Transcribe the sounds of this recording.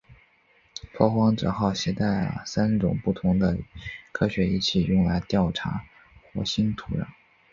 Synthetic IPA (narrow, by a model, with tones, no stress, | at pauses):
pʰwɔ˥˧xwɑ˥ŋʈ͡ʂɤ̰˨˩xɑ˥˩ʊɕjɛ˧˥t̪a˥˩ɪlə̰˩sa˥nʈ͡ʂʊ̰˨˩ŋpu˥˩t̪ʰʊ˧˥ŋd̪ə˧kʰɤ˥ɕɥɛ˧˥i˥˩t͡ɕʰi˨˩jʊ˥˩ŋla˧˥ɪt̪jɑ˥˩ʊʈ͡ʂʰa˧˥ | xwɔ̰˥ɕi˥nt̪ʰu˧˥ɻa̰˥˩n